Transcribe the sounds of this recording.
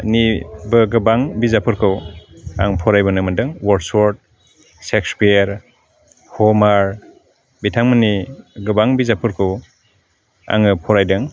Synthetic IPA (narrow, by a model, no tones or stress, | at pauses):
nibɯɡɯbaŋbizapʰɯɾkʰɯwa̰ŋpʰɔɾajbɯnɯmɯndɯŋwɔɾdsɔɾt̚ | sekspieɾ | hɔmaɾ | bitʰaŋmɯniɡɯbaŋbizapʰɯɾkʰɯw | a̰ŋɯpʰɔɾajdɯŋ